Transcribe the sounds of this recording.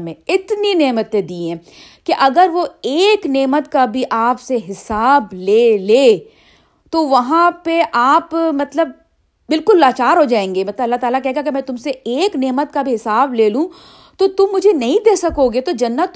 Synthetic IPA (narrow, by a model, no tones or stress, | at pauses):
mẽɪt̪nineːmət̪ẽd̪iːɛ̃ː | kiʔɐɡəɾʋoeːkneːmət̪kabʱiʔaːpseɦɪsaːbleːleː | t̪oʋɐɦãpeʔaːpmɐt̪ləb | bɪlkʊlːaːt͡ʃaːɾɦod͡ʒaːẽːŋɡemɐt̪ləbɐlːaɦt̪aːlak̬ɛɦeɡakemɛ̃ːt̪ʊmseeːkneːmət̪̚kabʱiɦɪsaːbleːlũ | t̪ot̪ʊmːʊd͡ʒʱenɐɦĩd̪eːsɐkoɡet̪od͡ʒɐnːət̪